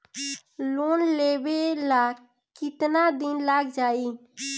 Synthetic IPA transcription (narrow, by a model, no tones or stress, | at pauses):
loːnleːbelaː | kɪt̪nad̪ɪnlaːɡd͡ʒaːi